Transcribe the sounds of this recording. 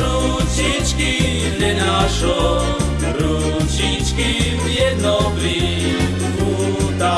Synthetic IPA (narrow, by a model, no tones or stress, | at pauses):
ɾu | t͡ʃʰit͡ʃki | lenaʃo | ɾu | t͡ʃʰit͡ʃki | jed̪nopɾi | u | t̪a